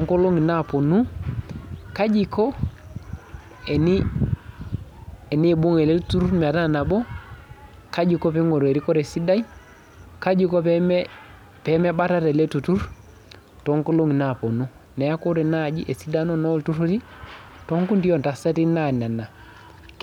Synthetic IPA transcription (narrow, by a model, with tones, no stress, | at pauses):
to˨ŋko˦lo˦ŋi˨na˦˨po˨nu˦ | ka˦d͡ʒi˦kɔ˦ | e˨ni˦ | e˨ni˦˨bu˦ŋe˨le˦tu˦ɾu˦ɾmɛ˨a˨ta˦˨na˨bɔ˦ | ka˦d͡ʒi˨kɔ˦pe˦ŋo˨ɾe˨ɾi˦kɔ˦ɾe˨si˦da˦i˦ | ka˦d͡ʒi˦kɔ˦p | pɛ˨˦me˦ba˦ta˦te˨le˦tu˨tu˦ɾ | to˨˦ŋko˦lo˦ŋi˨na˦˨po˨nu˦ | nɛ˨ja˦ko˦ɾe˨na˦˨d͡ʒḭ˦ʔe˨si˦da˦no˦no˦ltu˦ɾo˦ti˦ | to˦ŋku˦ndi˦jɔ˨n˨ta˨sa˦ti˦na˦˨na˨na˨